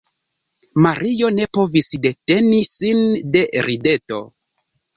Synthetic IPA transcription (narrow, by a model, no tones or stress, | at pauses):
maɾʔijo̞ne̞po̞visde̞te̞nisinde̞ɾide̞to̞̰